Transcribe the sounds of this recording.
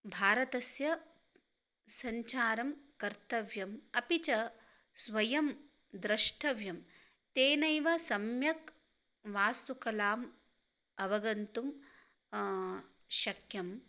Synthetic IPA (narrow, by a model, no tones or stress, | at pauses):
bʱaːɾɐt̪ɐsjɐ | sɐɲt͡ʃaːɾɐmkɐɾt̪ɐʋjɐmɐpit͡ʃɐ | sʋɐjɐm | d̪ɾɐʂʈʰɐʋjɐm | t̪eːnɐjʋɐsɐmjɐk | ʋaːst̪ukɐlaːm | ɐʋɐɡɐnt̪um | ʃɐkʰjɐm